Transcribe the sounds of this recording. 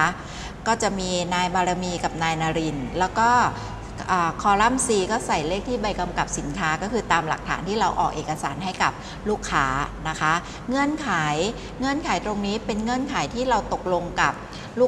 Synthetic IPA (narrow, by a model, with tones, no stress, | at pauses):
kɔː˥˩t͡ɕa˨˩ʔmiː˧naː˧jbaː˧ɾa˧miː˧ka˨˩p̚naː˧jnaː˧ɾi˧nlɛː˦˥wkɔː˥˩ | ʔaː˨˩kʰɔː˧ɾa˥˩msiː˧kɔː˥˩sa˨˩jleː˥˩k̚t̪ʰiː˥˩ba˧jka˧mka˨˩p̚si˩˦nkʰaː˦˥kɔː˥˩kʰɯː˧t̪aː˧mla˨˩k̚t̪ʰa̰ː˩˦nt̪ʰiː˥˩ɾa˧wʔɔː˨˩k̚ʔeː˨˩kːa˧saː˩˦nɦa˥˩jka˨˩p̚ | luː˥˩kʰːaː˦˥na˦˥kʰa˦˥ | ŋɤ˧˥˩ənkʰaː˩˦j | ŋɤ˧˩ənkʰaː˩˦jt̪ɾo˧ŋniː˦˥pe˧nŋɤ˧˥˩ə˨nkʰaː˩˦jt̪ʰiː˥˩ɾa˧wt̪o˨˩k̚lo˧ŋka˨˩p̚ | luː˥˩